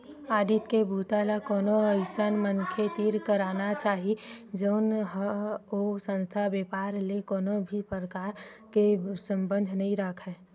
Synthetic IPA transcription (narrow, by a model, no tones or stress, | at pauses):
aːd̪iːt̪kebʱuːt̪alakɔːnoəɪsənmənkʰet̪iːɾkəɾaːnat͡ʃaːɦid͡ʒəʊnɦəosə̃nst̪ʰabeːpaːɾlekoːnobʱipɾəkaːɾkesə̃mbə̃nd̪ʱnəɦĩɾəkʰɦɛː